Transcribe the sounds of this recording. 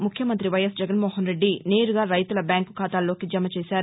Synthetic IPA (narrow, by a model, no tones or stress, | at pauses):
mukʰjɐmɐnt̪ɾiʋɐjɐsd͡ʒɛɡɐnmoːɦɐnɾe̞ɖːine̞ːɾuɡaːɾɐjt̪ulɐbjaːŋku̥kʰaːt̪aːlːoːkid͡ʒɐmɐt͡ʃeːsaːɾu